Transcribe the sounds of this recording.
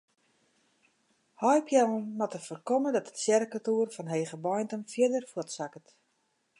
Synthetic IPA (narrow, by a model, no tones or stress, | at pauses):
hɔjpjɛənːɔtəfərkɔmədɔtətsjɛrəkətuːrfɔnɦeːɣəbɔjntəmfjɪdərfwɔtsakət